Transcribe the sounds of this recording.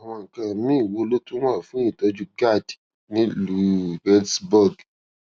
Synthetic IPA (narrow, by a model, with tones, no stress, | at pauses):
a˨w̃ɔ̃˧˨kã˧˨mĩ˦˨wo˧lo˦tũ˦a˦˨fũ˦i˦˨tɔ˧d͡ʒu˦ɡa˦˨d | nĩ˦lu˨˦bɛ˦sbɔ˦˨ɡ